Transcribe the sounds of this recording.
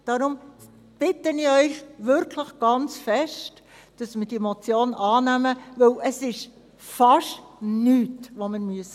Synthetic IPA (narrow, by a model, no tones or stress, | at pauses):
d̥ɑːɾʊm | b̥ɪtəniœʏxʋɪɾkʰləχɡ̥ɑnt͡sfɛʃt | d̥ɑsmɪɾd̥iɛmot͡sjoːnʔɑːnæməʋɵwʔəsɪʃ | fɑʃtnyːtʋoməɾmyəs